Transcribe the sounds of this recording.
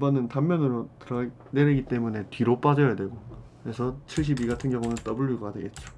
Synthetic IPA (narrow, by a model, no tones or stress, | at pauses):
bʌnɯntamːjʌnɯɾotɯɾʌ | neɾeɡit͈e̞mune̞tɥiɾop͈ad͡ʑʌjadwe̞ɡokɾe̞sʰʌt͡ɕʰiɭɕ̬ʰibiɡatʰɯnɡjʌŋunɯnt͈ʌbuɭːuɡʌɡadeɡet̚t͡ɕ͈o